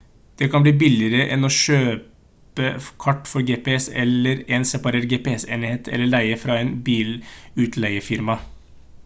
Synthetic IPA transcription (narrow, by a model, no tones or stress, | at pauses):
d̪̥ɛkʰɑnbliːbɪlɪəɾəʔɛ̰noːʃøː | pəkʰɑʈːfɔɾɡeːpɛɛsɛləɾɛːnsɛpɑɾeːɾɡeːpeɛsḛːnɪheːt̪ʰɛ̰lːəɭæɪəfɾɑːeːnbiːlʉːt̪ʰlæɪəfɪɾmɑ